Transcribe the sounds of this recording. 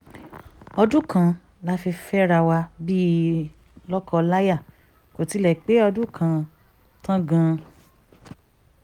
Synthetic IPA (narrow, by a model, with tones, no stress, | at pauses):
ɔ˧dũ˦kã˧ | la˦fi˧fɛ˦ɾa˧wa˧bi˦ | lɔ˦kɔ˧la˦ja˦˨ | ko˨ti˨˦lɛ˨k͡pe˨˦ɔ˧dũ˦kʰã˧ | tã˦ɡã˧